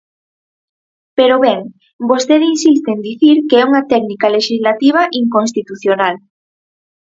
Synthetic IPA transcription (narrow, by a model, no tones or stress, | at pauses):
peɾoβɛŋ | bost̪eðinsist̪end̪iθiɾkeɛuŋat̪ɛknikaleʃizlat̪iβ̞aʔiŋkõns̬t̪it̪uθjonal